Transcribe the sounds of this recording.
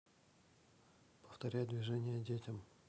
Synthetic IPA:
pə̥ft̪ɐɾʲæjd̪vʲɪʐɛnʲɪjədʲetʲɪm

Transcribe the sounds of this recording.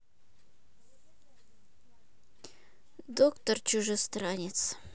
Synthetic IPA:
d̪okt̪ərt͡ɕʊʐɨst̪ɾanʲɪt̪s

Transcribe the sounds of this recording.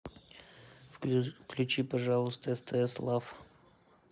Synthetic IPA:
fklʲʉt͡ɕipɐʐalˠʊst̪əst̪əɛslˠaf

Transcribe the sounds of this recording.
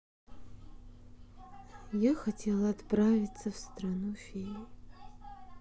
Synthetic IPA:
jaxatʲʰelˠaːt̪pravʲit͡sʰːɐfst̪ranufʲe

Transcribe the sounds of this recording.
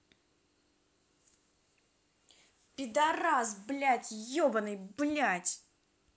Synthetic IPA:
pʲɪd̪ɐɾazblʲætʲjobənɨjblʲatʲ

